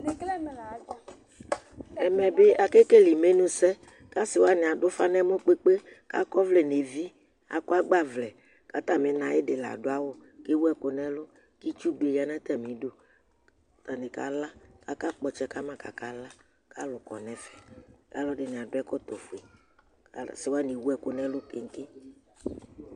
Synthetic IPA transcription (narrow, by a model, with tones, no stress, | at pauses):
ne˨klɛ˦m˨la˨d͡ʒ | ɛ˨mɛ̃˨be˦a˨ke˦ke˦li˨me˦nũ˦sɛ˦ | ka˦si˨wo˦a˦nɪ̃˨a˨ɖʊ˦fa˦nɛ˦mo˦k͡pe˦k͡pe˦ | ka̰˦kɔ˦vle˨ne˨vi˦ | a̰˨ko˦a˦ɡ͡ba˦vlɛ˨ | ka˦t̪a˨me˨nã˨je˦ɖe˨la̰˨ɖo˦a˦wo˦ke˦wu˦ɛ˦ko˨nɛ̃˦lo˦ | ki˦t͡ʃu˦ɡ͡be˨ja˨nɛ̃˦t̪ɛ˦mĩ˨ɖo˦ | t̪a˨nĩ˨ka̰˨la˦ka˦ka˦k͡pɔ˨t͡ʃɛ˦ka˦mã˦ka̰˨ka˨la˦ | ka˦lʊ˨kɔ̰˨nɛ̃˨fɛ˨ka̰˦lɔ˦ɖɪ˨nɪ̃˨a˨dʊ˦ɛ˦kɔ˦t̪o˨fu˨e˨ | ka˨sɪ˨wa˦nĩ˨wu˦ɛ˨ko˦nɛ̃˦lʊ˦ke˨ŋ̩˦ke˦